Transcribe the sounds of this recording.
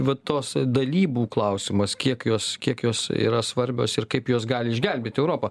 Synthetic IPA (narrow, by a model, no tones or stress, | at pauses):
ʋɐt̪oːsd̪ɐlʲiːbuːklˠɐʊsʲɪmɐskʲiɛkjoːskʲiɛkjoːsḭːɾɐsʋɐɾʲbʲo̰ːsɪrkɐɪpjoːsɡɑːlʲɪɪʒʲɡʲɛlʲbʲeːt̪ɛʊɾoːpɐ